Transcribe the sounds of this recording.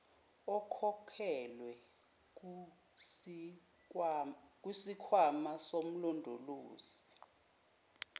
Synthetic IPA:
ɔkʰɔkʰɛlwɛ | k̬ʼwisikʰwamasom̩lɔndʱoloːzi̥

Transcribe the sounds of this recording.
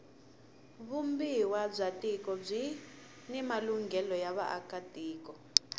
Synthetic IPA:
βumbiwab͡ʐatʼikʼɔb͡ʐi | nimaluŋɡɛlɔjaβa̰ʔa̰kad̥ʱiːkɔ

